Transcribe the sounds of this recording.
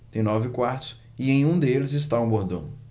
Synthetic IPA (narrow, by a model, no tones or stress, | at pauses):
t̪ẽj̃nɔvɪkwaɾt̪ʊ̥s | ɪẽj̃ũd̪elɪzɪst̪aũboɾd̪õ